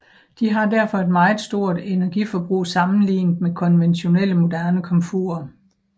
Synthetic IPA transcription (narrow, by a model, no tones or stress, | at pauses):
d̥iɦɑ̈d̥æɐ̰fɒ̽e̝d̥mɑ̈ːɪð̩ˠsd̥o̝ɐ̰d̥e̝næɐɡ̥ifɒ̽b̥ʁṵːsɑ̈mn̩lḭːnd̥mekʰɒ̽nʋenɕo̝nel̰əmo̝d̥æɐnəkʰɒ̽mfṵːɐ